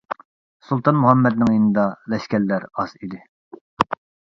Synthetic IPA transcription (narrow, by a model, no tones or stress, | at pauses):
sulˠt̪ʰɑnmuɦɛmːɛd̪nɪŋjinɨd̪ɑlɛʃkʲɛlːæɾɑz̥id̪ɪ